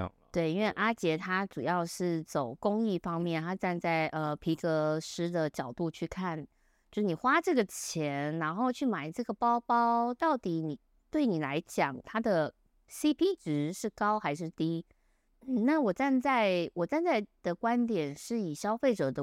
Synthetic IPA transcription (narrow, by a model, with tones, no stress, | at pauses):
t̪we˥˩ɪi˥nwe˥˩ɪʔa˥t͡ɕjɛ˧˥t̪ʰa˥ʈ͡ʂu˨˩jɑ˥˧ʊʂɻ̩˥˩t͡so˨˩ʊkʊ˥ŋi˥˩fɑ˥ŋmjɛ˥˩nt̪ʰa˥ʈ͡ʂa˥˧nt͡sa˥˩ɪʔə˧pʰi˧˥kɤ˧˥ʂɻ̩˥d̪ə˨t͡ɕjɑ˨˩ʊt̪u˥˧t͡ɕʰy˥˩˧kʰa˥˩n | jʂɻ̩˥˩ni˨˩xwa˥ʈ͡ʂɤ˥˩ɡə˩t͡ɕʰjɛ˧˦˥nɻa˧˥nxo˥˧ʊt͡ɕʰy˥˩ma˨˩ɪʈ͡ʂɤ˥˩ɡə˩pɑ˥ʊpɑ˥ʊt̪ɑ˥˩ʊt̪i˨˥ni˨˩ | t̪we˥˩ɪni˨˩la̰˧˦ɪt͡ɕjɑ̰˨˩ŋt̪ʰa˥d̪ə˨˩ | si˥pʰi˥ʈ͡ʂɻ̩˧˩ʂɻ̩˥˩kɑ˥ʊxa˧˥ɪʂ̬ɻ̩˥˩t̪i˥ | n̩˥˩na˥˩wɔ˨˩t͡sa˥˧nt͡sa˥˩ɪwɔ˨˩t͡sa˥˧nt͡sa˥˩ɪd̪̥ə˩kwa˦˥nt̪jɛ˨˩nʂɻ̩˥˩i˨˩ɕjɑ˥ʊfe˥˩ʈ͡ʂɤ˨˩d̪ə˧˦